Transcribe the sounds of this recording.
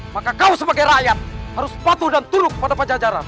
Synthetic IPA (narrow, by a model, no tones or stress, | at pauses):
makakausəbaɡajɾajat̪̚haɾuspat̪uhdant̪uɾʊk̚padapəd͡ʒad͡ʒaɾan